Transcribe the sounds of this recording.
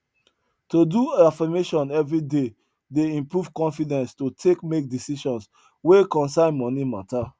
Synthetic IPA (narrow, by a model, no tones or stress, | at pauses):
toduafameʃɔ̃nɛvɹide | deĩmpɹuv̥kɔ̃nfidɛ̃nstotʰekmek̚disiʃɔ̃ns | wekɔ̃nsãɪ̃nmɔnimata